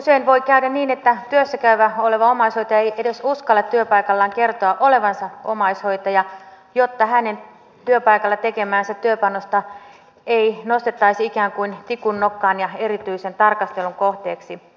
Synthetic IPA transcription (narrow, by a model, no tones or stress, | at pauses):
useinʋoikæydæniːnet̪ːæt̪yøsːækæyʋæoleʋɑomɑishoit̪ɑejʔedesuskɑlːɑt̪t̪yøpɑikɑlːɑːŋkert̪oɑʔoleʋɑnsɑo̰mɑishoit̪ɑjɑ | jot̪ːɑhænen | t̪yøpɑikɑlːɑt̪ekemæːnsæt̪yøpɑnːost̪ɑ | einost̪et̪ːɑisiikæːŋkuint̪ikunːokːɑːnjɑerit̪yisent̪ɑrkɑst̪eluŋkoht̪eːksi